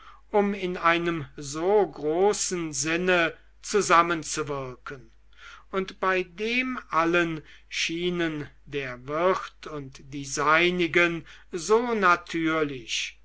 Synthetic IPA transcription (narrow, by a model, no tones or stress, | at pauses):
ʔʊmɪnaɪnəmzoːɡʁoːsn̩zɪnə | t͡suzamənt͡suvɪɐkən | ʊntb̥aɪdeːmʔalən | ʃiːnəndeːɐvɪχtʰʊntd̥iːzaɪnɪɡənzoːnatʰyːɐlɪç